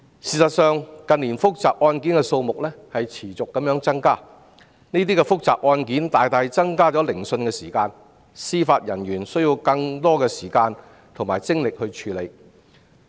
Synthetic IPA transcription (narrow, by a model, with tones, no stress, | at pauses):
siː˨sɐ˨t̚sœː˨ŋkɐ˨˧nliː˨˩nfʊ˥k̚t͡saː˨p̚ʔɔː˧nkiː˨˥nkɛ˧so˧wmʊ˨k̚lɛː˥hɐ˨jt͡sʰiː˨˩t͡sʊ˨kːɐ˨˥mjœː˨˥ŋt͡sɐ˥ŋkaː˥ | niː˥t̪̬iː˥kɛ˧fʊ˥k̚t͡sa̰ː˨p̚ʔɔː˧nkiː˨˥nt̪aː˨jt̪aː˧jt͡sɐ˥ŋkaː˥t͡sɔ˨˥lɪ˨˩ŋsɵ˧nkɛː˧siː˨˩kaː˧n | siː˥faː˧t̚jɐ˨˩njyː˨˩nsɵ˥ɥjiː˧wkɐ˧ŋt̪ɔː˥kɛː˧siː˨˩kaː˧n | t̪ʰʊ˨ŋmaː˨˩jt͡sɪ˥ŋlɪ˨k̚hɵ˧ɥt͡ʃʰyː˨˥le˨˧j